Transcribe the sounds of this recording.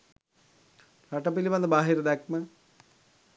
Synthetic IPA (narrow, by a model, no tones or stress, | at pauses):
ɾaʈɐpiliʋɐnd̪əbaːɦiɾəd̪ɛkmə